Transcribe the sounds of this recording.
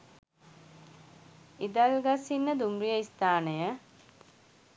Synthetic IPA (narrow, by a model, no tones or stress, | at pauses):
id̪alɡasinːəd̪umrijəist̪aːnəjə